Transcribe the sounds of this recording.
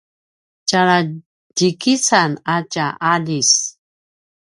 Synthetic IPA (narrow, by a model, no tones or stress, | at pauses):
t͡ʃaɾa | d͡ʒikisanat͡ʃaʔaʎis